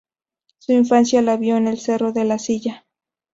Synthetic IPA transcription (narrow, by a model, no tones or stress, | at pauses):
suiɱfansjalaβjo̞enelsero̞ðe̞lasiʝa